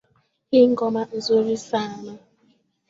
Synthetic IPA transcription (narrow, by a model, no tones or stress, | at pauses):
hɪŋ̩ɡɔman̩zoɾisana